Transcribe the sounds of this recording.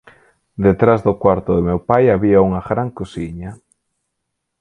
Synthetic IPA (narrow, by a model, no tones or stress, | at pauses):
d̪et̪ɾazðʊkwaɾt̪ʊðemewpajaβiauŋaɣɾaŋkosiɲa